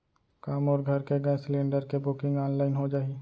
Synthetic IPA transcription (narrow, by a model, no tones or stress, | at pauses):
kaːmɔːɾɡʱɐɾkeɡə̃slẽːɳɖəɾkebʊkɪ̃ŋɡaːnlaːɪnɦod͡ʒaːiː